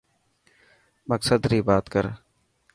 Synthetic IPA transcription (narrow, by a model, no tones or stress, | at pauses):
məksəd̪ɾiːbaːt̪kəɾ